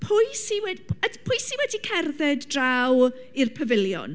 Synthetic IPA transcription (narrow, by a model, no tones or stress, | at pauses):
pʰʊjsiwɛdiədpʰʊjsiwɛdikʰɛrðɛddraw | irpʰəvɪljɔ̰n